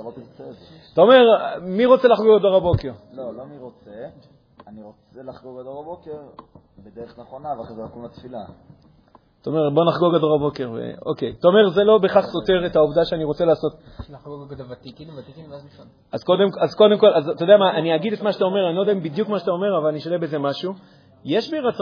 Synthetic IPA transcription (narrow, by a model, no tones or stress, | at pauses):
alot̪iʁt͡sez | t̪aome̞ʁmiʁo̞t͡selaχɡoɡad̪o̞ʁabo̞keʁlolomiʁot͡se | aniʁot͡selaχɡoʁɡad̪oʁabokeʁ | bed̪eʁeχneχonavaezelokumlat̪fila | t̪aome̞ʁbo̞naχɡoʁɡad̪o̞ʁabo̞ke̞ʁvḛo̞̰kejt̪aome̞ʁzelo̞be̞χaχso̞te̞ʁet̪haovdaʃeaniʁo̞t͡se̞laːso̞t̪ | ɡoɡdovat̪ikinvat̪ikinvazia | azko̞d̪emkazko̞de̞mko̞lazt̪od̪eamaʔaniaɡid̪et̪maʃetao̞me̞ʁanilodaimbid̪jukmaʃet̪ao̞me̞ʁavalaniʃolebeze̞maʃu | jeʃbiʁat͡s